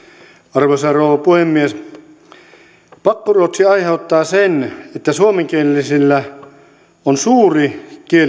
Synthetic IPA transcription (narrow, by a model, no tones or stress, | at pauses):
ɑrʋosɑrouʋɑpuhemːies | pɑkːoruot̪siɑjheut̪ːɑːsenet̪ːæsuomeŋkiellːisilːæ | onsuːrikie